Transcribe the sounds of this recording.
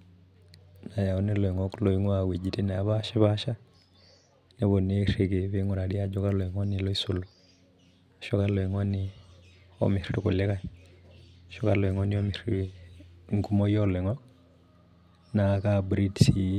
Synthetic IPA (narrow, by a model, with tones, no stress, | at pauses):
na˨ja˨ɔ˦nɛ˦lɔ˨i˨ŋɔ˦klɔ˨i˦ŋwawe˨d͡ʒi˨ti˦n˨a˨βa˦ʃɛ˦βa˦ʃa˦ | nɛ˦βɔ˨ne˦ɾe˨ke˨βe˦ŋu˨ɾa˨ɾi˦a˦d͡ʒɔ˦ka˦lɔ˨i˨ŋɔ˦ni˨lɔ˦i˦su˨lɔ | ʃɔ˦ka˦lɔ˨i˨ŋɔ˦ni˦ | ɔ̰mi˨ɾi˨ɾu˨ku˨lɛ˦ka˨ | ʃɔ˦ka˦lɔ˨i˨ŋɔ˦ni˦ɔ˦mi˨ɾiɾ | ŋɡu˦mɔ˦jɔ˦lɛ˨ŋɔ˦ | na˨ka˦bɾi˦dsi˨˦